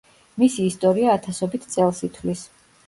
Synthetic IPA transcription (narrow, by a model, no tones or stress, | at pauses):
misiːst̪ʼɔɾiaːt̪ʰasɔbit̪ʰt̪sʼɛlˠsit̪ʰwlis